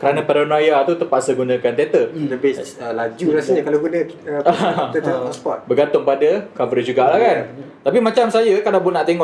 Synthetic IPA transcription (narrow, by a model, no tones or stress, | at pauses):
kəɾanãpɛɾonojat̪ut̪əpaʔsəɡunãkant̪et̪ələbɪəlad͡ʒuɾasəɲakalaɡunə̃ət̪əəɔʔsə̥pɔt̪̚bəɡant̪ʊŋpadəkavɾid͡ʒuɡaʔlahkant̪apimãt͡ʃamsajəkadapʊnaʔt̪eŋɔʔ